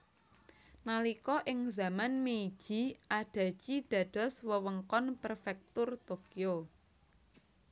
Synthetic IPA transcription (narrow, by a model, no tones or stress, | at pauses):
nalikɔʔɪŋza̤manmei̥ʒ̥i̤ʔaɖ̥a̤̥ʒ̥id̥ä̤ɖ̥ɔ̤swəwəŋkɔnpərfɛk̚t̪ʊrt̪okio